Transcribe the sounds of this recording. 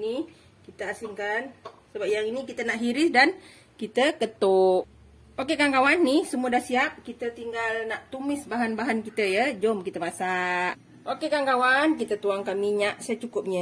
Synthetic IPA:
ni | kit̪əasɪŋkansəbap̚jaŋinikit̪ənaʔɦiɾɪsdan | kit̪əkət̪oʔ | okekaŋkawanːihsəmuədahsiap̚kit̪ət̪iŋɡalnaʔt̪umɪsbaɦanbaɦankit̪əjəd͡ʒɔmkit̪əmasaʔ | ʔokekaŋkawank̬it̪ət̪uaŋkamiɲaʔsajat͡ʃukʊp̚ɲə

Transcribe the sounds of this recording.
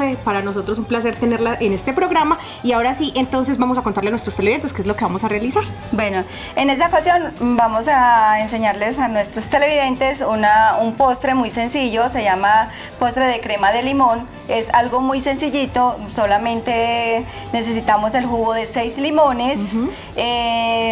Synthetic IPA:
fepaɾano̞s̬o̞t̪ɾos̬umplas̬e̞ɾt̪ene̞ɾlaʔene̞st̪e̞pɾo̞ɣɾama | iao̞ɾasiʔe̞nt̪o̞ns̬e̞zbamosakont̪aɾleanwest̪ɾost̪eleiðeneskezlo̞keβamosarealisaɾ | bwe̞no | e̞ne̞s̬aokasjo̞nbamo̞saense̞ɲaɾlesanwe̞st̪ɾost̪e̞le̞βiðe̞nt̪e̞sunaumpo̞st̪ɾe̞mujse̞nsiʝo̞se̞ʝama | po̞st̪ɾe̞ðekɾe̞maðe̞limo̞n | e̞salɡo̞mujse̞nsiʝit̪oso̞lamẽ̞nt̪e̞ | ne̞s̬e̞s̬it̪amo̞se̞lxuɣo̞ðe̞sejzlimõ̞ne̞s | e

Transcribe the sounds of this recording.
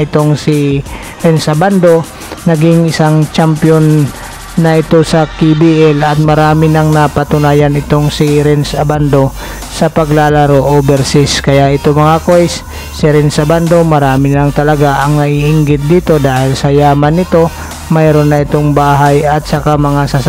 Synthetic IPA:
ɪt̪oŋsɪ | ɾɛnsɐband̪o̞ | nɐɡɪŋʔɪsaŋt͡ʃampjonː | ɐʔɪt̪o̞sɐkibiʔɛlɐt̪̚mɐɾaːmɪnɐŋnapɐt̪ʊnaːjanɪt̪oŋsɪɾɛnsɐband̪o̞ | sɐpɐɡlaːlaɾoʔobɛɾsɪskɐjaʔɪt̪omɐŋakojsː | ɪɾɛnsɐband̪o̞mɐɾaːmɪnaŋt̪ɐlɐɡaʔɐŋnɐʔiʔɪŋɡɪt̪̚d̪iːt̪o̞d̪aːhɪlsɐjaːmanːɪt̪o̞ | majɾonːɐɪt̪oŋbaːɦajɐt̪̚sɐkamɐŋasas

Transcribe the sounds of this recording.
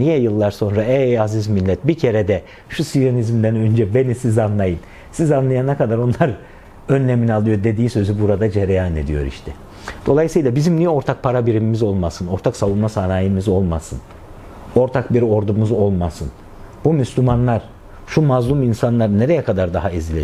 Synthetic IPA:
nijɛjɯlˠːaɾso̞nɾaɛazizmilʲːɛt̪̚bicʰe̞ɾed̪ɛ | ʃusijonizmd̪ænø̞nd͡ʒɛbe̞nisizanlˠajɯn | sizanlˠajanakad̪aɾo̞nlˠaɾ | ø̞nlʲeminialˠɯjo̞ɾd̪e̞d̪iːsø̞zybuɾad̪ad͡ʒeɾejaːne̞̰d̪ijo̞̰ɾḭʃt̪ʰɛ | d̪̥o̞lˠajɯsɯjlˠabizimnijɛo̞ɾt̪ʰak̚pʰaɾabiɾimimizo̞lˠmasɯno̞ɾt̪ʰaksalunmasanaːjimizo̞lˠmasɯn | o̞ɾt̪ʰakbiɾo̞ɾd̪umuzo̞lˠmasɯn | bumyslʲymanlˠaɾ̥ | ʃumazlˠuminsanlˠaɾne̞ɾejɛkʰad̪aɾd̪aɦaizilʲe

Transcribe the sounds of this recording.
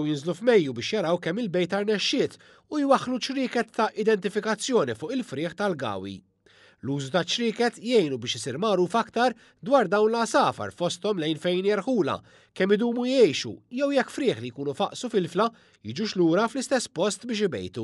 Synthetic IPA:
wjɪnzlufmɛjːubɪːʃjɐɾɐwkɛmːɪlbɛjt̪ɐɾnɛʃːɪːt̪ | ujwɐħːlut͡ʃɾɪːkɛt̪ːɐʔɪd̪ɛnt̪ɪfɪkɐt͡sːjɔːnifʊːʔɪlfɾɪːħt̪ɐlɡɐ̰ːwḭ | luːzut̪ɐt͡ʃɾɪːkɛt̪jɛjnubɪːʃɪsiːɾmɐɾuːfɐkt̪ɐɾ | d̪wɐːɾd̪ɐwnlɐsɐːfɐ̰ɾfɔst̪ɔmlɛjnfɛjnjɛɾħuːlɐ̰ | kɛmːɪd̪uːmujɛjʃṵjɛwjɛkːfɾɪːħlijkuːnufɐʔsufɪlflɐ | jiːd͡ʒuʃluːɾɐflɪst̪ɛsːpɔst̪bɪːʃ̬ɪbɛ̰jt̪u

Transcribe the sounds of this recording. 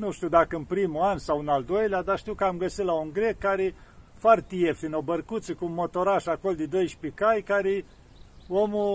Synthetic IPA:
nuʃt̪iud̪akəɨnpɾimuansawɨnald̪o̞jlead̪aʃt̪iwkəamɡəsit̪lauŋɡɾekːaɾefoart̪ijefinobərkut̪sikunmo̞t̪o̞ɾaʃako̞ld̪id̪o̞jʃpikajkaɾe | omu

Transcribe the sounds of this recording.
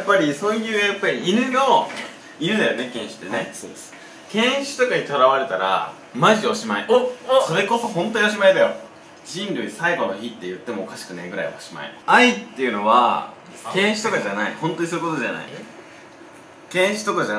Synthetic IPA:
japːaɾʲiso̞ːjɯ̟ːjapːaɾʲiiɾɯ̟no | iɾɯ̟nd̪ajo̞ne̞kẽ̞ɰ̃ɕɨ̥t̪ːe̞ne | kẽ̞ɰ̃ɕɨ̥t̪o̞kaɲit̪oɾaβaɾe̞t̪aɾa̰ | maʑio̞ɕimaiso̞ɾe̞ko̞so̞hõ̞nt̪oɲioɕ̬imaid̪ajo̞̰ | d͡ʑĩnɾɯ̟isaiɡo̞no̞çit̪ːe̞jɯ̟t̪ːe̞mo̞ːkaɕi̥kɯ̟ne̞ɡɯ̟ɾa̰ḭaoɕima̰ḭait̪ːe̞jɯ̟no̞βa̰ | kẽ̞ɰ̃ɕi̥t̪o̞kaʑanaḭhõnt̪oɲ̟isoɯ̟kot̪o̞ʑana̰ḭ | kẽ̞ɰ̃ɕi̥t̪o̞kaʑa

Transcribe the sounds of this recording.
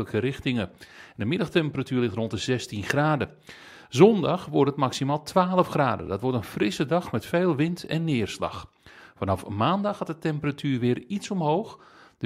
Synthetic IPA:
ləkəɾɪxtɪŋəndəmɪdɑxtɛmpəratyːrlɪxtrontəzɛstinχraːdə | zɔndɑxʋɔrtətmaksimaːlˠtʰʋaːləfχraːdə̰dɑtʋɔɹtənfrɪsədɑxmɛtfeːlˠʋɪntʰɛ̰nːɪərslɑ̰x | fɑnɑfəmaːndɑxhɑtətɛmpəratʰyːrʋɪːritsɔmɦowxd

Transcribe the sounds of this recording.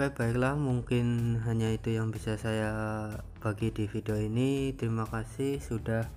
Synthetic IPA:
kab̥aɪklahmuŋkɪnɦaɲait̪ujaŋbisasaja | b̥aɡidifidioinit̪əɾimakasɪhsudah

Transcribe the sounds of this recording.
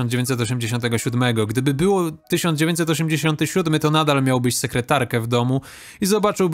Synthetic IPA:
nd͡ʑevʲjẽɲt̪sɛt̪ɔɕ̬ɛmd͡ʑeɕ̬ɔ̃nt̪̬ɛɡɔɕud̪mɛɡɔɡd̪ɘbɘbɘwɔt̪ɘɕɔnd͡ʑevʲẽɲt͡ɕtsɛt̪̬ɔɕ̬ɛmd͡ʑeɕɔnt̪ɘɕud̪mɘt̪ɔnad̪almʲjawbɘɕsɛkɾɛt̪aɾkɛvd̪ɔmu | izɔbat͡ʂɘwb

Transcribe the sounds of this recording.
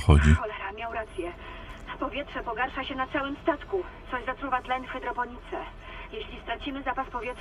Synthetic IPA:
ɔ̰d͡ʑixɔlɛɾamʲjawɾat̪sʲjɛ | fpɔvʲjɛtʂɛpɔɡaɾʂaɕɛnat̪sawɘmst̪at̪ku | t̪sɔʑzat̪ɾuvat̪lɛnfxɛd̪ɾɔpɔɲit̪sɛ | jeɕlʲist̪ɾat͡ɕimɘzapaspɔvʲjɛt

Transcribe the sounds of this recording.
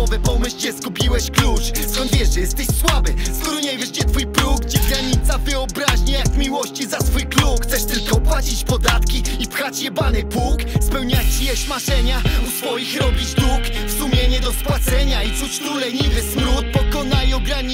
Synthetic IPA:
ɔvɛpɔmɨɕt͡ɕɛskupʲiwɛɕklut͡ʂskɔ̃nt̪vʲjɛʐʐɛjɛst̪ɛɕswabɘskɔɾɔɲɛjvʲjɛʐɡd͡ʑɛt̪fujpɾuɡd͡ʑɛɡɾaɲit̪savɨɔbɾaʑɲɛjakmʲiwɔɕt͡ɕizat̪fujkluxt̪sɛʂt̪ɘlkɔpwad͡ʑit͡ɕpɔd̪at̪kʲiipxat͡ɕjɛbanɛpukspɛwɲat͡ɕijɛɕmaʂɛɲausfɔjixɾɔbʲit͡ɕd̪ukfsumʲjeɛɲɛd̪ɔspwat̪sɛɲait̪sut͡ɕnulɛɲilɛsmɾut̪̚pɔkɔnaiɔɡɾaɲi

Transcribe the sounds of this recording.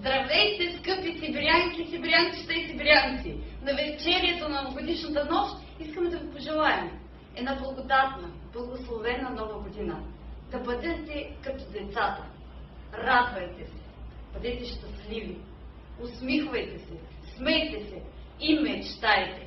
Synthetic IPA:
zd̪ɾɐvɛjt̪ɛskɤpisibɾiaŋkʲisibɾʲaŋkʲi̥st̪ɛsibɾʲiaŋkʲinɐvɛst͡ʃɛɾiɛt̪onɐooɡod̪iʃnɐt̪ɐnɔʃt̪ | iskəmɛd̪ɐvopoʒɛlˠaɛm | ɛnablˠɐɡod̪at̪nə | blˠɐɡoslˠovɛnɐnɔvɐɡod̪inəd̪ɐbɐd̪ɛt̪ɛkɐt̪ɔd̪ɛt̪sat̪ɐ | ɾad̪vɐjt̪ɛsɛ̥b̥ɐd̪ɛt̪ɛʃt̪ɐslivi | ʊsmixvɐjt̪ɛsɛ | smɛjt̪ɛsɛ | imɛt͡ʃt̪ajt̪ɛ

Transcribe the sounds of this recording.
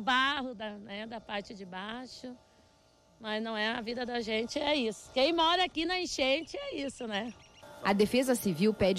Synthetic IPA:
baɦʊd̪ɐnɛd̪ɐpaɾt͡ʃɪd͡ʒɪbaʃʊ | mɐznɐ̃w̃ɛɐvid̪ɐd̪ɐʒẽt͡ʃɪɛisʊ̥kẽj̃mɔɾɐakinɐĩʃẽt͡ʃɪɛisʊnɛɐd̪efezɐsiviwpɛd͡ʒ

